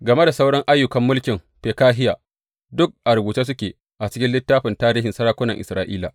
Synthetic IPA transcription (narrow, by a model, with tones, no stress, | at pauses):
ɡɐ˨me˦da˨sa˦wɽɔ˦ŋʔa˦jːʊ˨kɐ˨˦mːʊ˦lkʲɪ˨mɸeː˨kaː˦ɦɪ˦jaː˨ | dʊ˦k̚ʔa˨ɾʊ˨buː˨taː˦s̬ʊ˦kʲeː˨ | ʔa˨t͡ʃɪ˦kʲɪ˦nlɪ˦tːaː˦ɸɪ˨ntaː˦ɾiː˦ɦɪ˨nsɐ˦ɽaː˦kʷʊ˦nɐ˨ŋʔɪ̰˨sɾaː˦ʔḭː˦la̰˨